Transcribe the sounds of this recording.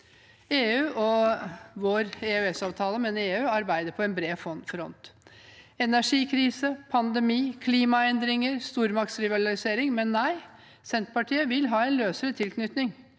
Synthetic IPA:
eːʉːʔɔ | ʋoːɾeøɛsɑːʋt̪ʰɑːləmɛneːʉːɑɾbæɪd̪əɾpʰɔɛnbɾeːfɔnfɾɔ̰nt̪ | ɛnæʂiːkʰɾiːsəpʰɑnd̪ɛmiːkʰliːmɑɛnd̪ɾɪŋəɾst̪uːɾmɑk̚t̪sɾɪʋɑɾɑlɪseːɾɪŋmɛnːæɪ | sɛnt̪pɑʈʰiːəʋɪlɦɑːɛnløːsəɾət̪ʰɪlkʰnʏt̪nɪŋ

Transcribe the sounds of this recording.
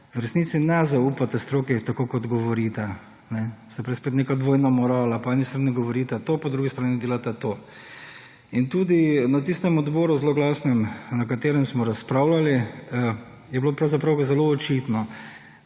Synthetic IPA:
wɾɛsniːt̪sinɛzaupat̪ast̪ɾoːkit̪akokɔd̪ɡɔʋɔɾit̪a | nɛsapɾɛspeːt̪nekad̪ʋoːjnamɔɾaːlapɔɛːnist̪ɾaːniɡɔʋɔɾiːt̪at̪oːpɔd̪ɾuɡist̪ɾaːnid̪eːlat̪at̪oː | int̪uːd̪inat̪ist̪ɛmɔd̪bɔːɾuzloɡlaːsnɛmnɐkat̪eːɾɛmsmɔɾaspɾaːʊlali | jɛbloːpɾawzapɾawzɛloɔt͡ʃit̪nɔ

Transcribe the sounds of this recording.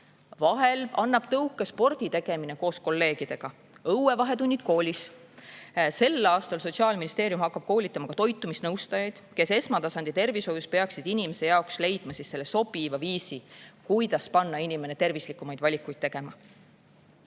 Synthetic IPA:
vɑɦe̞lɑnːɑb̥t̪ɤuwkːˑespo̞rd̪̥it̪e̞ɡ̥e̞mine̞ko̞ːsko̞lːe̞ːɡ̥id̪̥e̞ɡ̥ɑ | ɤwe̞vɑɦe̞t̪unʲːid̪̚ko̞ːlʲis | se̞lːɑːst̪ɑlso̞t̪siɑːlminist̪e̞ːɾjumhɑkːɑb̥̚ko̞ːlʲit̪ːˑɑmɑkɑt̪o̞jt̪ːˑumisnɤwst̪ɑjɑjd̪̥ke̞se̞smɑt̪ɑsɑnd̪̥it̪e̞rvisho̞juspe̞ɑksid̪inimese̞jɑoksle̞jd̪̥mɑsissːe̞lːeso̞b̥ivɑviːsikujd̪ɑspɑnːɑinime̞net̪e̞rvislikːˑumɑjd̪̥vɑlʲikːˑujd̪̥̚t̪e̞ɡ̥e̞mɑ

